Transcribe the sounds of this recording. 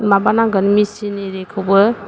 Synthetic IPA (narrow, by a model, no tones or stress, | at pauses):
mabanaɡənmisineɾekʰɯwbɯ